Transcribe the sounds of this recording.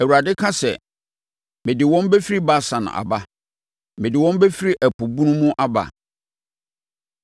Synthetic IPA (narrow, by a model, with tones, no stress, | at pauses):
æ˨wu˨ɾa˨dɪ˦kʰa˦sɛ˨ | mɪ̃˨dɪ˨wɔ̃˦m˦be˦fi˦ɾi˦ba˦sã˨nã̰˨ʔa̰˨ba˦ | mɪ̃˨dɪ˨wɔ̃˦m˦be˦fi˦ɾi˦ʔæ˨pʰu˨bũ˦nʊ̃˦mʊ̃˦ʔa˦ba̰˨